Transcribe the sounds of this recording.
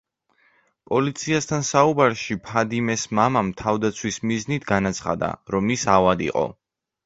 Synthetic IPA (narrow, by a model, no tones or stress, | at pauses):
pʼɔlit̪sʰiast̪ʰansaubaɾʃipʰad̪imɛsmamamt̪ʰavd̪at̪sʰwismiznit̪ʰɡanat̪sʰχa̰d̪a̰ɾɔmisavad̪ḭqʼɔ̰